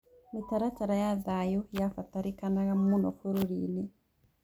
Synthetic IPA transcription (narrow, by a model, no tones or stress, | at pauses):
mitaɾat͡ʃaɾajaðajujafataɾikanaɣamunɔfuɾuɾini